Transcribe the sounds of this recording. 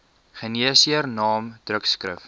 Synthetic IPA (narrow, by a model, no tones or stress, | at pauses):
χəniəsiərnɑːmd̥rəkskrə̰f